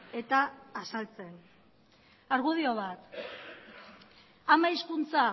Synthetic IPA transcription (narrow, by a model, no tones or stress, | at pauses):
e̞t̪aːsalt͡se̞n | aɾɣuð̞io̞β̞at̪ | amaiskunt͡sa